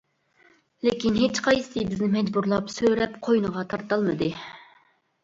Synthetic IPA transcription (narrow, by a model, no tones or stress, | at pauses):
lɪkʲinɦet͡ʃqʰɑjsɨbɪznɪmɛd͡ʒbuɾlˠɑpsøɾɛpqʰojnəʁɑt̪ʰɑɾt̪ɑlˠmɨd̪ɨ